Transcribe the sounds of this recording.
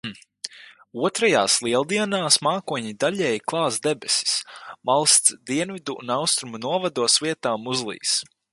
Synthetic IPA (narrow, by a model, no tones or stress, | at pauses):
uɔt̪ɾajaːslˠiɛlˠd̪iɛnaːsmaːkuɔɲid̪aʎʲɛːjklˠɑːzd̪ɛbɛsi̥smalˠst̪sd̪iɛnvid̪uṵnawst̪ɾumunuɔvad̪uɔsviɛt̪aːmuzlˠḭːs